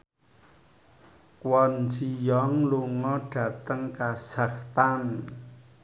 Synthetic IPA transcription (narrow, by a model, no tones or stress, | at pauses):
kwɔnd͡ʒijɔŋluŋɔɖ̥ä̤t̪əŋkaz̥a̤kt̪an